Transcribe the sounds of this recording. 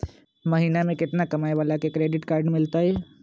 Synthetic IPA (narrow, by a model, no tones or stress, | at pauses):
mɐɦiːnamẽkɪt̪nakɐmaːjʋaːlakekɾeːɖɪʈkaːɾɖmɪlt̪aɦɛː